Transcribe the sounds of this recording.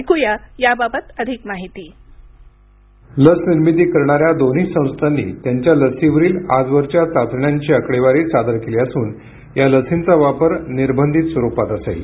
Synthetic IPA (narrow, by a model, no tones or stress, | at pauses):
kujajababət̪əd̪ʱikmaɦit̪iː | ləsniɾmit̪iːkəɾɳaɾjad̪onɦiːssə̃w̃st̪ʰanːḭːt̪jaɲt͡ɕjaləsiʋəɾiːlad͡zʋəɾt͡ɕjat͡sat̪ɳjaɲt͡ɕiəkɽeʋaɾiːt͡sad̪əɾkeleəsuːn | jaləsint͡saʋapəɾniɾbʱənd̪ʱit̪sʋəɾupat̪əsḛl